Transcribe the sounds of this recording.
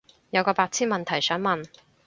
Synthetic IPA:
jɐ˨˧wkɔː˧paː˧k̚t͡sʰiː˥nmɐ˨nt̪ʰɐ˨˩jsœː˨˥ŋmɐ˨n

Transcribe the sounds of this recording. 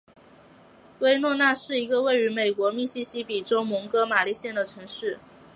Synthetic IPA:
we˥ɪnwɔ˥˧na˥˧ʂɻ̩˥˩i˧˥ɡə˧we˥˩ɪy˧˥me˨˩ɪkwɔ˧˥mi˥˩ɕi˥ɕi˥pi˨˩ʈ͡ʂo˥ʊmɤ˧˥ŋkɤ˥ma˨˩li˥˧ɕjɛ˥˩nd̪ə˩ʈ͡ʂʰɤ˧˥ŋʂɻ̩˥˩

